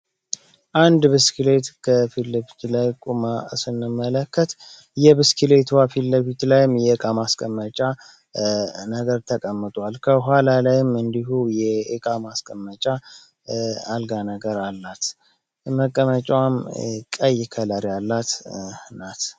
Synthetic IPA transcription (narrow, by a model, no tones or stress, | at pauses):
ʔand̪bɨskile̞t̪kʰəfiləβit̪lajkʼumasɨnːɨmːələkʰːət̪ | jɛbɨskʰile̞t̪ʰwafilːəβit̪lajɪmjɛɨkʼamaskʼəmːət͡ʃʼa | nəɡəɾt̪ʰəkʼəmːɨt̪ʼwalkʰəɦʷwalalajɪmɨnd̪iɦujɛɨkʼamaskʼəmːət͡ʃʼa | alɡanəɡəɾalːat̪ | məkʼːəmət͡ʃʼwamkʼəjɪkʰələɾjalːat̪nat̪